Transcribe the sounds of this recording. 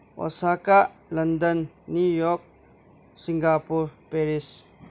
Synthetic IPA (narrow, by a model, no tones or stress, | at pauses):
ɔ̰sakalɐnd̪ənː | ujɔk̚ | siŋɡapuɾpeɾis